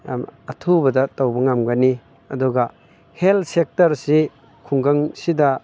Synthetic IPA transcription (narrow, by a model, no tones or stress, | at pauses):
ɐtʰubɐdɐtawbɐŋamɡani | ɐduɡa | heltsek̚tɐɾsi | kʰuŋɡaŋsidɐ